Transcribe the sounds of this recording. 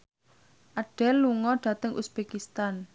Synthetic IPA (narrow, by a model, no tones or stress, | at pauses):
ʔaɖ̥ɛlːuŋɔɖ̥a̤t̪əŋʔṵsb̥ekist̪an